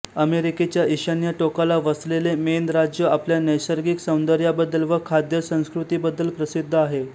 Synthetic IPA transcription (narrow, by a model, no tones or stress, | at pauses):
əmeɾiket͡ɕjaʔiɕanjəʈokalaʋəslelemend̪ɾad͡ʑjəapljanəjsəɾɡiksə̃w̃nd̪əɾjabəd̪ːəlʋəkʰad̪jəsə̃w̃skɾut̪ibəd̪ːəlpɾəsid̪ʱːaɦe